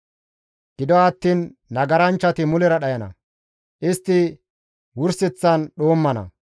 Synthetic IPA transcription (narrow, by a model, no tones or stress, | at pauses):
ɡ̥ɪd̪ɔɐt̪ːiːnːɐɡɐɾɐnt͡ʃːɐt̪ɪmʊlɛɾɐɗɐjɐnɐ̰ | ʔɪst̪ːɪ | wʊɾsɛt͡sːɐnɗo̞ːmːɐnɐ̰